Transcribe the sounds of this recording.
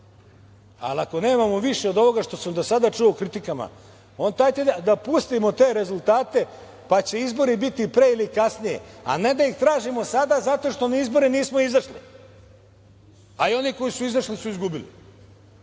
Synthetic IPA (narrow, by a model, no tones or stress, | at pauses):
a̰lako̞ne̞ːmamo̞ʋiʃeo̞d̪o̞ʋo̞ɡaʃt̪o̞samd̪osad̪aʈ͡ʂuokɾit̪ikama̰ | ont̪ajt̪ed̪ad̪apust̪imo̞t̪e̞ːɾe̞zulˠt̪aːt̪e̞ | pat͡ɕe̞izbo̞ɾibit̪ipɾe̞ilikasnijḛa̰ne̞d̪aixt̪ɾaːʒimo̞sad̪azat̪o̞ʂt̪o̞naizbo̞ɾeniːsmo̞izvarʂli | aio̞niko̞jisuizarʂlisuizɡubilḭ